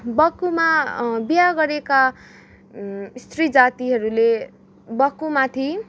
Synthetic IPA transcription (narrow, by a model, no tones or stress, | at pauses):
bʌkumabijaɡʌɾeka | st̪rid͡zat̪iɦʌɾule | bʌkumat̪ʰi